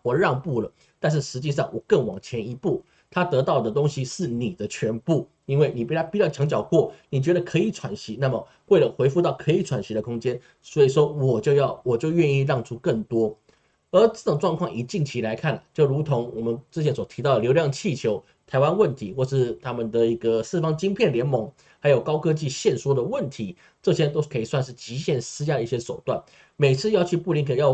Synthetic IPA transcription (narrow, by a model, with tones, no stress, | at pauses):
wɔ˨˩ɻɑ˥˧ŋpu˥˩lə˩ | t̪a˥˧nʂ̬ɻ̩˥˩ʂɻ̩˧˥t͡ɕi˥˧ʂ̬ɑ˥˩ŋwɔ˨˩kə˥˩ŋwɑ̰˨˩ŋt͡ɕʰjɛ˧˥ni˧˥pu˥˩ | t̪ʰa˥t̪ɤ˧˥t̪ɑ˥˩ʊd̪ə˩t̪̬o˥ŋɕi˧ʂɻ̩˥˩ni˨˩d̪ə˦t͡ɕʰɥɛ˧˥npu˥˩ | i˥nwe˥˩ɪni˨˩pi˥˩t̪ʰa˥pi˥˧t͡ɕjɑ˥˩ʊt͡ɕʰjɑ˧˥ŋt͡ɕjɑ˨˩ʊkwɔ˥˩ni˨˩t͡ɕɥɛ˧˥d̪ə˨kʰɤ˧˥i˨˩˦ʈ͡ʂʰwa˧˩nɕi˧˥na˥˩mə˩ | we˥˩lə˩xwe˧˥ɪfu˥˧t̪ɑ˥˩ʊkʰɤ˧˥i˧˥˩ʈ͡ʂʰwa˨˩nɕi˧˥d̪ə˧kʰʊ˥ŋt͡ɕjɛ˥n | swɔ˧˥i˨ʂwɔ˥wɔ˨˩t͡ɕjo˥˧ʊjɑ˥˩ʊwɔ˨˩t͡ɕjo˥˧ʊɥɛ˥˧ni˥˧ɻɑ˥˩ŋʈ͡ʂʰu˥kə˥˩ŋt̪wɔ˥ | ə˞˧˥ʈ͡ʂɤ˥˩ʈ͡ʂʊ˨˩ŋʈ͡ʂwɑ˥˧ŋkʰwɑ˥˩ŋʔi˨˥t͡ɕi˥˩ŋt͡ɕʰi˧˥la˧˥ɪkʰa˥˩nlə̰˨˩t͡ɕjo˥˩ʊɻu˧˥t̪ʰʊ˧˥ŋwɔ˨˩mə˨˦nʈ͡ʂɤ˥˩t͡ɕʰjɛ˧˥nswɔ˨˩t̪ʰi˧˥ɑ˥˩d̪ə˩ljo˧˥ʊljɑ˥˧ŋt͡ɕʰi˥˩t͡ɕʰjo˧˥ʊ | t̪ʰa˧ɪwa˥nwə˥˩nt̪ʰi˧˥xwɔ˥˩əʂɻ̩˥˩t̪ʰa˥mə˨nd̪ə˨i˧˥ɡə˨sɹ̩˥˩fɑ˥ŋt͡ɕi˥ŋpʰjɛ˥˩nljɛ˧˥nmɤ˧˥ŋ | xa˧˥ɪjo˨˩ʊkɑ˥ʊkʰɤ˥t͡ɕi˥˧ɕjɛ˥˩nʂwɔ˥d̪ə˨wə˥˩nt̪ʰi˧˥˦ | ʈ͡ʂɤ˥˧t͡ɕʰjɛ˥nt̪o˥kʰɤ˧˥i˨˩swa˥˧nʂɻ̩˥˩t͡ɕi˧˥ɕjɛ˥˩nsɹ̩˥t͡ɕja˥ɾə˩˧i˥˩ɕjɛ˥ʂo˨˩ʊt̪wa̰˥˩n | me˨˩ɪt͡sʰɹ̩˥˧jɑ˥˧ʊt͡ɕʰy˥˧pu˥˧li˧˥ŋkʰə˨˩jɑ˥˧ʊ